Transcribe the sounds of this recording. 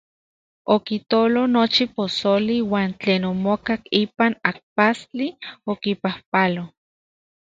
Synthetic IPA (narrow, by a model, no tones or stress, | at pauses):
okit̪olonot͡ʃiposoliwaːnt͡ɬeːnomokakipanak̚past͡ɬiokipahpalo